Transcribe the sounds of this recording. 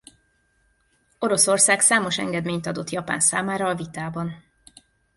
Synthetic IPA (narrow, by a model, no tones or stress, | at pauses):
o̞ɾo̞so̞rsaːksaːmo̞ʃɛ̰ŋɡɛd̪meːɲt̪ɒd̪o̞t̪jɒpa̰ːnsaːmaːɾɒːvit̪aːbɒn